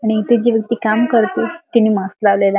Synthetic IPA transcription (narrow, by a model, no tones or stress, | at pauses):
aɽ̃it̪ud͡ʑiːʋjək̚t̪iːkamkəɾt̪it̪iniːmãslaʋlela